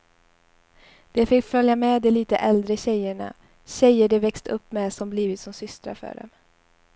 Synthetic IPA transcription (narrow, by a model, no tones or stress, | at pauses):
d̪̥ɛfɪkːfœljamɛd̪ɛliːt̪əʔɛld̪ɾəɕɛjəɳa̰ | ɕɛjːəɖɛvɛkst̪ɵpːmɛsɔmbliːvɪt̪sɔmsʏst̪ɾa̰ɾfœ̰ːɖɛ̰m